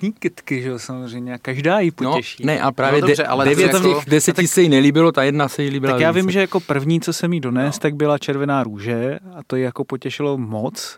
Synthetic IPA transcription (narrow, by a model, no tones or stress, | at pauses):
ɲiːkɪt̪kɪʒɛosamozr̝ɛjmɲɛakaʒdaːjɪpoɛʃiːnɛʔapɾaːvjɛddɛɛʔa̰lɛdɛvjɛt̪amɛdɛsɛt̪aisɛjɪnɛliːbɪlot̪ajɛdnasɛjiliːbɪlakjaːvɪmʒɛjako̞pr̩vɲiːt͡sosɛmido̞nɛːst̪aɡ̚bɪlat͡ʃɛɾvɛnaːɾuːʒɛat̪ojɪjako̞pocɛʃɪlo̞mot͡s